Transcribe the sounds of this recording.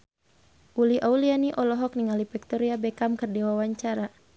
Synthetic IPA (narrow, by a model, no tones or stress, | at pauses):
ʔuliʔaulianiʔɔlɔɦɔk̚niŋalipik̚t̪ɔɾiabɛkamkɨrdiwawaɲt͡ʃaɾa